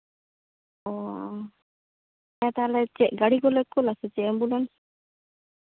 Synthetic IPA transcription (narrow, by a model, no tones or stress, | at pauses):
ɔ | ajat̪alɛt͡ʃɛʔɡaɽikɔlɛkːɔlasɛt͡ʃɛɛmbulɛns